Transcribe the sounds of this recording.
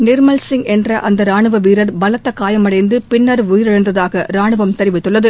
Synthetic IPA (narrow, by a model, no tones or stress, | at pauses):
nɪɾmɐlsɪŋɛndrɐʔɐnd̪ɐɾaːɳɯʋɐʋiːɾɐɾbɐlɐt̪ːɐkaːjɐmɐɽɐɪnd̪ɯpɪnːɐɾʊjɪɾɐɻɐnd̪ɐðaːɣɐɾaːɳɯʋɐmt̪ɛɾɪʋɪt̪ːɯɭːɐðɯ